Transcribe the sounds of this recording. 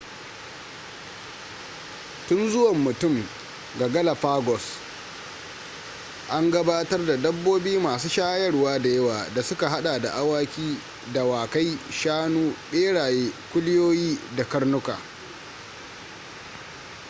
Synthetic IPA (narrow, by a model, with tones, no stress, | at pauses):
tʊ˦nzʊ˦wɐ˨mːʊ˨tʊ˦˨m | ɡa˨ɡɐ˦la˨ɸaː˦ɡɔ˨s | ʔa˦ŋɡɐ˦baː˦tɐ˦rda˨dɐ˦bːoː˦biː˦maː˨suː˦ʃaː˦jɐ˦rwaː˦da˨jɐ˦waː˨da˨sʊ˦ka˨ɦa˦ɗaː˨da̰˨ʔa˦waː˦kʲiː˦ | da˨waː˨ka˦jʃaː˦nuː˦ɗeː˦ɽaː˨jeː˦kʷʊ˦lɪ˦joː˦jiː˦da˨kɐ˦rnʊ˦ka̰ː˨